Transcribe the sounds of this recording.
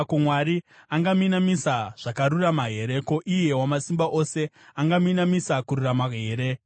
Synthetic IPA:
kumwaɾiaŋɡaminamisaʐ̥akaɾuramaɦe̞ɾeko̞ʔije̞wamasimbaʔo̞se̞ | aŋɡaminamisakuɾuramaɦe̞ːɾe̞

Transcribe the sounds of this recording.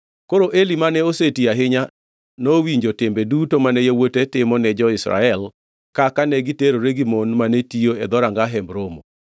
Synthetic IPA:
koɾoʔelimanɛosetiaɦɪɲa | nowiɲd͡ʒotɪmbedutomanɛjowotetɪmɔnɛd͡ʒɔɪsɾa̰ɛl | kakanɛɡiteɾoɾeɡimonmanetioɛd̪ɔɾaŋɡaɦɛmbɾomo̰

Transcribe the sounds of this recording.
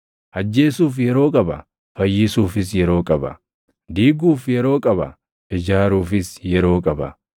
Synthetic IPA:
hɐd͡ʒːe̞ːsuːfjɛɾo̞ːkʼɐbɐ̰ | fɐjːɪsuːfɪs̬jɛɾo̞ːkʼɐbɐ̰ | d̪iːɡuːfjɛɾo̞ːkʼɐbɐ̰ | ʔɪd͡ʒaːɾuːfɪsjɛɾo̞ːkʼɐbɐ̰

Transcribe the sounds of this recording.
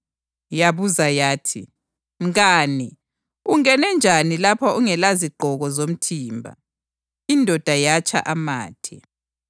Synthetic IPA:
jaβuzajaːtʰi | ŋɣaːni | uŋɛnɛnd͡ʒʱanilapʰaʔuŋɛlaziɡ͡ǃʱɔɣɔzom̩tʰiːmbʱa̰ | indʱɔd̥ʱajat͡ʃʰʼa̰ʔama̰ːtʰɛ

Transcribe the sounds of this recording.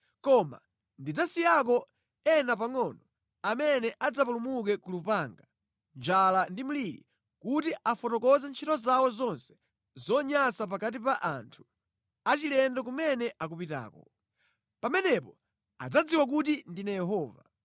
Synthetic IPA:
kɔma̰ | ndid͡zasijak̬ɔ | ɛnap̬aŋɔnɔ | amɛnɛʔad͡zapulumuk̬ɛkulupaŋɡa | nd͡ʒalandim̩liɾḭ | kutiʔafɔtɔkɔzɛnt͡ʃʰitɔzawɔzɔnsɛ̥ | zɔɲasap̬akat̬ipaʔantʰu̥ | at͡ʃilɛndɔk̬umɛnɛʔak̬upita̰ːkɔ | pamɛnɛpɔ | a̰d͡zad͡ziwak̬utindinajɛɦɔːva̰

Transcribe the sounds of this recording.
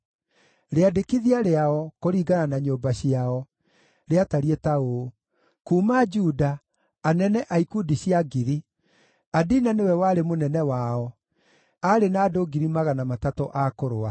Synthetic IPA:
ɾeadekiðiaɾeaɔkoɾiːɡananaɲoːmbaɕiaɔ | ɾeataɾietao | kuːmad͡ʒuːdaː | nɛnɛʔaikudiɕjaɡiɾi | adinanewɛwaːɾemonɛnɛwaɔ | aɾenaːdoɡiɾimaɣanamatatɔʔakoɾoa

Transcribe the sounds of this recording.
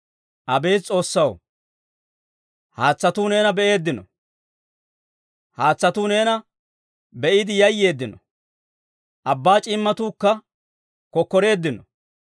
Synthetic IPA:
ʔɐbe̞ːt͡sʼo̞ːsːɐw | haːt͡sːɐt̪uːne̞ːnɐbɛʔe̞ːd̪ːɪnɔ̰ | haːt͡sːɐt̪uːne̞ːnɐ | bɛʔɪd̪ɪjɐjːe̞ːd̪ːɪnɔ | ʔɐbːaːt͡ʃʼɪmːɐt̪uːkːɐ | kɔkːɔɾe̞ːd̪ːɪnɔ

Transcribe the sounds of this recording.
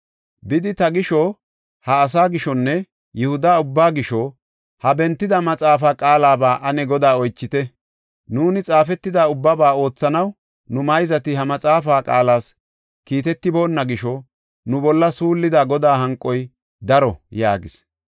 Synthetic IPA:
bɪd̪ɪt̪ɐɡɪʃɔ | hɐːs̬aːɡɪʃɔnːɛ | jɛhʊd̪aːʊbːaːɡɪʃɔ | hɐbɛnt̪ːɪd̪ɐmɐt͡sʼaːfaːkʼaːlaːbaːʔɐnɛɡɔd̪aːɔjt͡ʃːɪt̪ɛ | nuːnɪt͡sʼaːfɛt̪ːɪd̪aːʊbːɐbaːo̞ːt͡sːɐnɐw | nʊmɐjzɐt̪ɪɦɐmɐt͡sʼaːfaːkʼaːlaːs | kiːt̪ɛt̪ːɪbo̞ːnːɐɡɪʃɔ | nʊbɔlːɐsuːlːɪd̪aːɡɔd̪aːɦɐŋkʼːɔj | d̪ɐɾɔja̰ːɡɪs

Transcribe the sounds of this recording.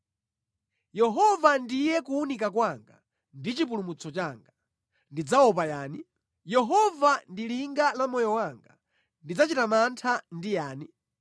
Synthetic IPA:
jɛɦɔvandijɛkuunikakwaŋɡa | ndit͡ʃip̬ulumut͡sʰɔt͡ʃaŋɡa | ndid͡zaɔpajaːni | jɛɦɔvandiliŋɡalamɔjɔwaŋɡa̰ | ndid͡zat͡ʃitamantʰandijaːni

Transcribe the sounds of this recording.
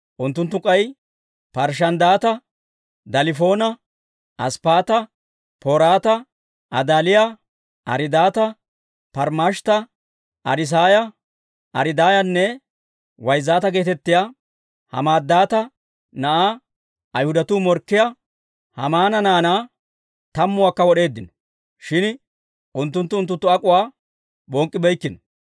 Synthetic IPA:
ʔʊnt̪ːʊnt̪ːʊkʼɐj | pɐɾʃ̬ɐnd̪aːt̪ɐ | d̪ɐlɪfo̞ːnɐ | ʔɐspaːt̪ɐ | poːɾaːt̪ɐ | ʔɐd̪aːlɪja | ʔɐ̰ɾɪd̪aːt̪ɐ | pɐɾmaʃt̪ɐ | ʔɐ̰ɾɪs̬aːjɐ | ʔɐɾɪd̪aːjɐnːɛ | wɐjzːaːt̪ɐɡe̞ːt̪ɛt̪ːɪja | hɐ̰maːd̪ːaːt̪ɐ | nɐʔaː | ɐjhʊd̪ɐt̪uːmɔɾkːɪja | hɐ̰maːnɐnaːnaː | t̪ɐmːʊwakːɐwɔɗe̞ːd̪ːɪnɔ̥ | ʃɪn | ʔʊnt̪ːʊnt̪ːʊʊnt̪ːʊnt̪ːʊɐkʼʊwaː | bɔŋkʼːɪbɛjkːɪnɔ

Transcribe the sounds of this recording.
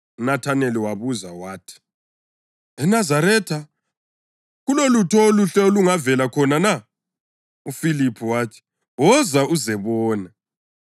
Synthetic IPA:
unatʰaneliwaβuza̰waːtʰi̥ | ɛnazaɾɛːtʰa | ɣulolutʰɔluɬɛluŋavɛlakʰɔnana | ufilipʰiwaːtʰi̥ | wɔzauzɛβɔːna

